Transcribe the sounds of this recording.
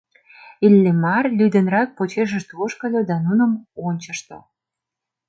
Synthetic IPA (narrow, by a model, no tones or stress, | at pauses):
ilʲːemɑrlʲyd̪ĕnrɑk̚pot͡ɕeʃ̬əʃt̪uoʃkə̆lod̪ɑnunə̆monʲt͡ɕə̆ʃt̪o̰